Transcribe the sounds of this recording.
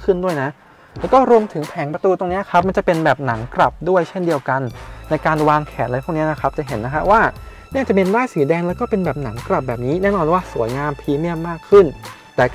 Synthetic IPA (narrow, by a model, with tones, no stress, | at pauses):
kʰɯ˥˩ndu˥˩əjna˦˥ʔ | lɛː˦˥wkɔː˥˩ɾu˧əmt̪ʰɯ˩˦ŋpʰɛː˩˦ŋpɾa˧t̪uː˧t̪o˧ŋni˦˥ɐkʰa˦˥p̚ma˧nt͡ɕa˨˩pe˧nbɛː˨˩p̚na˩˦ŋkɾa˨˩p̚du˥˩əjt͡ɕʰe˥˩ndi˧əwka˧nːa˧jkaː˧nwaː˧ŋkʰɛː˩˦n̚la˧j̪tʰːŋni˦˥ɐ˨na˦˥kʰɾa˦˥p̚t͡ɕa˨˩ɦe˩˦nːa˦˥kʰa˦˥waː˥˩ | ni˥˩˨t͡ɕa˨˩me˧ndaː˥˩jsiː˩˦dɛː˧ŋlɛ˦˥wkɔː˥˩pe˧nbɛː˨˩p̚na˩˦ŋkɾa˨˩p̚bɛː˨˩p̚niː˦˥nɛː˥˩nɔː˧nwaː˥˩su˩˦əjŋaː˧mpʰiː˨˦˥mi˥˩əmːaː˥˩kʰːɯ˥˩n | t̪ɛː˨˩